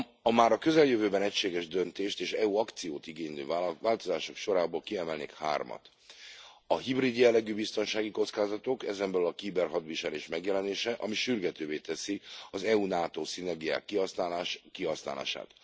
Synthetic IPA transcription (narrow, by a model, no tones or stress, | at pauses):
ɒmaːɾɒkø̞zɛljøvøːbɛnɛcʃeːɡɛʒd̪ønt̪eːʃt̪eːʃɛuɒkt̪sijo̰ːt̪iɡeːnø̰ːvaːlt̪o̞zaːʃo̞kʃo̞ɾaːboːlkiɛmɛlnḛːkha̰ːrmɒ̰t̪ | ɒɦibrid̪jɛlːɛɡyːbist̪o̞nʃaːɡiko̞t̪skaːzɒt̪o̞kɛzɛmbɛlylɒkiːbɛrɦɒd̪ʋiʃɛleːʃmɛɡjɛlɛneːʃɛʔɒmiʃyrɡɛt̪øːveːt̪ɛsiɒzɛunaːt̪oːsinɛrɡija̰ːkːiɒskiɦɒsna̰ːla̰ːʃa̰ːt̪